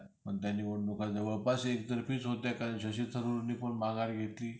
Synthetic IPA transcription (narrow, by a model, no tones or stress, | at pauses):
pəɳt̪janːiːməɳnukad͡zəʋəɭpasekt̪əɾfiːt͡sɦot̪jakanɕəɕit̪ʰəɾuɾniːpəɳmãŋɡaɾɡʱet̪liː